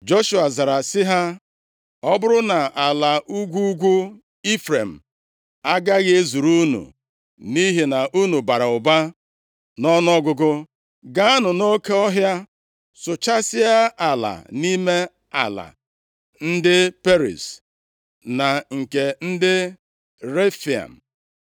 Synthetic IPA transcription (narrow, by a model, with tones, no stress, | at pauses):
d͡ʒo˦ʃu˨a˨za˨ɾa˨sɪ˦ɦa˦ | ɔ˦bʊ˦ɾʊ˦na˨ʔa˨la˨ʔu˦ɡʷu˦ɡʷu˦ | i˦fɾe˨m̩˨ | a˦ɡa˦ɣe˦zu˨ɾu˦nṵ˨ | ni˦ɦe˨na˨ʔu˦nu˨ba˨ɾa˨ʊ˨ba˦ | nɔ˦n˦ɔ˦ɡʊ˦ɡʊ˦ | ɡa˦a˦nʊ˨no˦ke˦ɔ˦ɦja˦ | sʊ˨t͡ʃa˦sɪ˦a˦ʔa˨la̰˨ni˦me˦ | a̰˨la̰˨ | n̩˦dɪ˦pe˦ɾḭ˨s | na˨ŋ̩˨ke˨n̩˦dɪ˦ | ɾe˦fi˨a̰˨m̩˨